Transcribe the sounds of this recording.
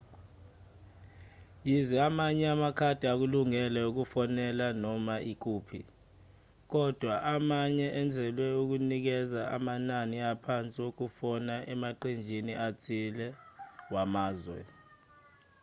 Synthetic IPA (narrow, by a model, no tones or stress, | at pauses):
jizɛamaɲɛamakʰad̥ʱiak̬uluŋɛlɛuk̬ufɔnɛlanɔmaʔik̬uːpʰḭ | k̬ɔd̥ʱwaʔamaɲɛʔɛnd͡zʱɛlwɛuk̬unik̬ɛzaʔa̰mananiapʰant͡sʼiok̬ufɔnaʔɛmaǃind͡ʒʱiniʔat͡sʰilɛwamaːzwɛ̰